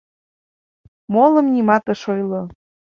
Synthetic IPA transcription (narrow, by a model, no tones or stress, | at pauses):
molɤ̆mnʲimɑt̪ɤ̆ʃojlɤ